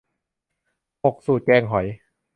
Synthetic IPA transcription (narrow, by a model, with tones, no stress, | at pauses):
ʔo˨˩k̚suː˨˩t̪̚kɛː˧ŋɦɔ˩˦j